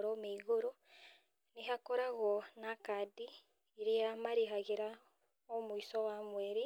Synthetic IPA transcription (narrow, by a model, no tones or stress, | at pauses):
ɾɔmeiɣoɾo | neɦakoɾaɣɔnakadi | iɾeamaɾeɦaɣeɾa | ɔmoisɔwamwɛɾi